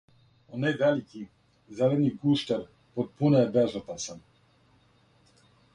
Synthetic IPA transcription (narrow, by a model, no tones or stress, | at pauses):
ɔnajvɛliki | zɛlɛd̪niɡuʃt̪ɛɾ | pot̪̚punɛɛbɛʒat̪asam